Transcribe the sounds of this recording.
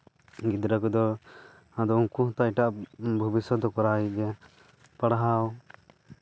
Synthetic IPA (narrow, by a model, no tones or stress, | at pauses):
ɡid̪ɾəkɔd̪ɔ | ad̪ɔũŋkuɦt̪ajʈaʔbʱɔbisɔd̪ɔkɔɾaiɛ | paɽɦaw